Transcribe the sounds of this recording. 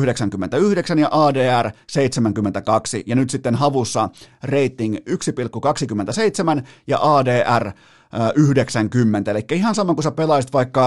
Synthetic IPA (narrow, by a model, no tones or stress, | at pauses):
hdeksæŋkymːent̪æyhdeksænjɑʔɑːdeːærseit̪semæŋkymːent̪ækɑksḭjɑnyt̪sit̪ːenhɑʋusːɑreit̪ːiŋyksipilkːukɑksikymːent̪æseit̪semænjɑ̰ʔɑːdeːʔær | ʔyhdeksæŋkymːent̪æelikːæihɑnsɑmɑŋkusæpelɑijsit̪ʋɑikːɑ